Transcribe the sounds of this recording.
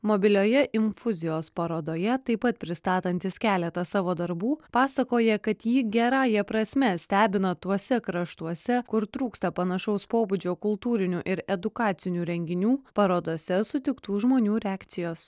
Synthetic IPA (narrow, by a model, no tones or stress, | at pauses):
mobʲɪlʲoːjɛʔɪɱfʊzʲɪjoːspɐɾoːd̪oːjɛt̪ɐɪpɐt̪̚pʲɾʲɪst̪ɑːt̪ɐnʲt̪ʲɪskʲæːlʲɛt̪ɐsɑːʋoːd̪ɐɾbuːpɑːsɐkoːjɛkɐt̪jiːɡʲɛɾɑːjɛpɾɐsʲmʲɛsʲt̪ʲæːbʲɪnɐt̪uɔsʲɛkɾɐʃt̪uɔsʲɛkʊɾt̪ɾuːkst̪ɐpɐnɐʃɐʊspoːbud͡ʒʲoːkʊlˠt̪uːɾʲɪnʲuʔɪɾɛd̪ʊkɑːt̪sʲɪnʲuːɾʲɛŋʲɡʲɪnʲuːpɐɾoːd̪oːsʲɛsʊt̪ʲɪkt̪uːʒmoːnʲuːɾʲɛæːkt̪sʲɪjoːs